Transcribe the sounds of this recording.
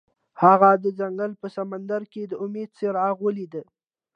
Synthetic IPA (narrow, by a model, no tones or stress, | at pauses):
haɣad̪əd͡zaŋɡəlpəsamand̪aɾked̪əʊmed̪̚seɾɑɣwəlid̪ə